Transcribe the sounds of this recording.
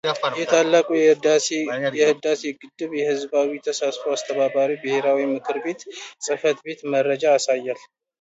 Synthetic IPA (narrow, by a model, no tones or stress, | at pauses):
jɛt̪ʰalːakʼujɛd̪asejɛhɨd̪aseɡɨd̪ːɨβjɛhɨzbawit̪ʰəsasfoast̪ʰəβaβaɾibɨhe̞ɾawimɨkʰɨɾbe̞t̪sʼɨfət̪be̞t̪məɾəd͡ʒaːsajːal